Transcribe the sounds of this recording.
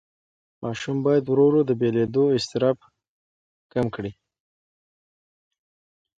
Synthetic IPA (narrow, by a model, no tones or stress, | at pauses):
mʔɑʃumbɑjad̪wɾoɾod̪əbeled̪oɪst̪ɪɾɑb | kamkɽi